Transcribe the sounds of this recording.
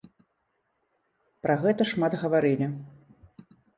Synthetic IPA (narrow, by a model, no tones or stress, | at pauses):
pɾaɣɛt̪ɐʂmad̪ɣɐvaɾɨlʲi